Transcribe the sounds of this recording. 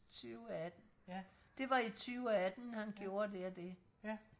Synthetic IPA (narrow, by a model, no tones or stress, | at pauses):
t͡sʰyʊæd̥n̩ | d̥e̝ʋɑ̈it͡sʰyːʊɒæd̥n̩hænɡ̥jo̝ːɐdeɐd̥e̝